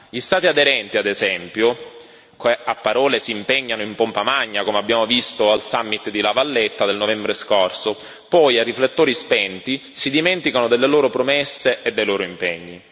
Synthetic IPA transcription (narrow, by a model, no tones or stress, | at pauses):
ʎist̪aːt̪iad̪eɾɛnt̪iad̪ezɛmpjo | keapːaɾɔːlesiːmpɛɲːanoimpompamaɲːakomeabːjaːmovist̪oalsamːit̪d̪ilavalːet̪ːad̪elnovɛmbɾeskɔrso | pɔjarːiflet̪ːoːɾispɛnt̪isid̪imɛnt̪ikanod̪elːeloːɾopɾomɛsːeʔed̪ːejloːɾoimpɛɲːi